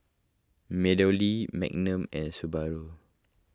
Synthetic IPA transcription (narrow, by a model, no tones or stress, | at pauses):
mɛdəlimɛ̰k̚nə̃mɛ̃nsubaɹo